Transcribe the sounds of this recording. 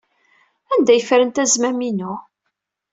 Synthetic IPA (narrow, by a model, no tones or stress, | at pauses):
ænd̪æjəfɾənt̪æzmæminʊ